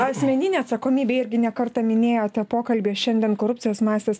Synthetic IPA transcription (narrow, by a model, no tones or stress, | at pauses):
ɐsʲmʲɛnʲɪnʲeːɐt̪sɐkoːmʲiːbʲeːɪɾʲɡʲɪnʲɛkɐɾt̪ɑmʲɪnʲeːjoːt̪ʲɛpoːkɐlʲbʲeːʃʲɛnʲd̪ʲɛnkoːɾʊp̚ʲt͡ssʲɪjoːsmɑːsʲt̪ʲeːs